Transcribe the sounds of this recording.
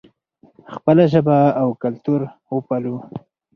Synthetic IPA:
xpəlaʒəbaːwkalt̪uɾwəpalu

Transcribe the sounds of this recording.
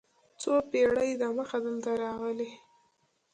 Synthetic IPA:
t͡sopeɽəjd̪aməxad̪əlt̪aɾɑɣəle

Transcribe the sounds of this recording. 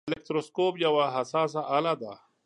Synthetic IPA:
lek̚t̪ɾoskoːpjɐwaɦɐsaːs̬aʔalad̪a̰

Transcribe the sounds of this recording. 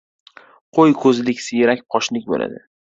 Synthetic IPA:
qʰojkʰɵzlɪkʲsɪjeɾakʲpʰɒʃlɪkʲbo̰la̰d̪ɪ

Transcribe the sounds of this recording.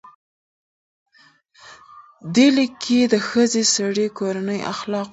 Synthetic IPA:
d̪elɪkʰːed̪əxəzesaɽekoɾanəjʔa̰xlɑq

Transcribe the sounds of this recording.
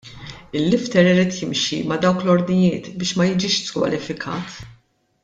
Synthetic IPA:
ɪlːɪft̪ɛɾɪɾiːt̪jɪmʃḭmɐd̪ɐwklɔɾd̪nɪjɪːt̪bɪːʃmɐjɪd͡ʒɪːʃskwɐ̰lɪfɪkʰɐ̰ːt̪

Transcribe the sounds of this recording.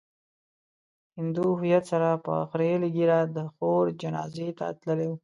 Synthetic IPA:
hɪnd̪uhʊjat̪saɾapə̰xɾelɡiɾad̪əxoɾd͡ʒanɑ̰zet̪a̰t̪ləlew

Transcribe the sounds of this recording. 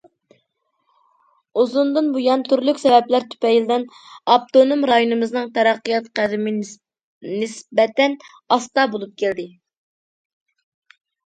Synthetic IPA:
uzund̪ɨnbujɑnt̪ʰyɾlykʲsɛvɛplæɾt̪ʰy̥pɛjld̪ɪn | ɑp̚t̪onomɾɑjunɨmɨznɨŋt̪ʰɛɾɑqːəjɑt̪qæd̪ɪmɪ | nɪsbɛt̪ɛn | ɑst̪ɑbolˠup̚kʲʰæld̪ɪ

